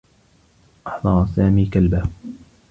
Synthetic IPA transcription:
ʔɑħd̪ˤɑɾˤsaːmiːkalba

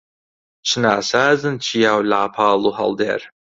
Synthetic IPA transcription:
t͡ʃʰɨnaːsaːzɨnt͡ʃʰijaːwlaːpʰaːlˠuɦɐ̰lˠd̪ḛːɾ

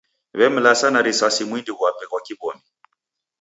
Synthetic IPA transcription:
βɛm̩lasanaɾisasimwindiɣwapɛkwakibɔmi

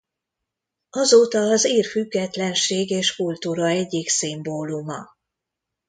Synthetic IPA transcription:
ɒzoːt̪ɒːziːrfyɡːɛt̪lɛnʃeːɡeːʃkult̪uːɾɒɛɟːiksimboːlumɒ̰

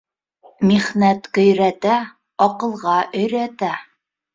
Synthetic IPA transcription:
miχnæt̪qɵ̆jɾæt̪æ | ɒqɤ̆lˠʁɑʔɵ̆jɾæt̪æ

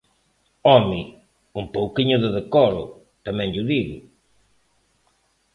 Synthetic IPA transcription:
ɔmi | umpowkiɲʊðɪðekɔlʊ̰ | t̪amɛ̃ŋʎʊðiɣʊ̰

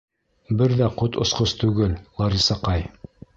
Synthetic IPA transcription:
bɘɾðæqot̪ŏsqost̪ʉɡɘllˠɑɾʲisɑqɑj

